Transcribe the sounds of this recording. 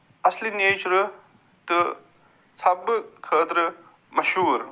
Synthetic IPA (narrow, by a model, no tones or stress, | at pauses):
ɐslinet͡ʃʰɾɨ | t̪ɨ | t͡sʰɐbːɨkʰəːt̪ɾɨ | mɐʃuːɾ